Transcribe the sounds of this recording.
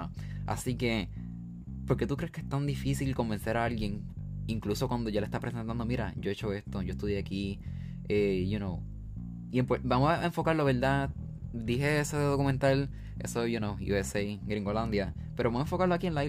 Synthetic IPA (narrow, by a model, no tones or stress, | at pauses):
a̰sike̞ | po̞ɾke̞t̪ukɾe̞hkeest̪and̪ifisilko̞mbe̞nse̞ɾaalɡje̞ŋ | iŋkluso̞kwand̪o̞ʝalest̪apɾesent̪and̪o̞miɾa̰ɟ͡ʝo̞e̞t͡ʃo̞e̞st̪o̞ʝo̞est̪uðjeaki | ejunow | iempobamosaeɱfo̞kaɾlo̞βe̞ɾd̪a | d̪iɦe̞eseðo̞kumẽnt̪al | e̞̰sojunowjṵesejɡɾiŋɡoland̪ja | pe̞ɾoβamoeɱfo̞kaɾloakienla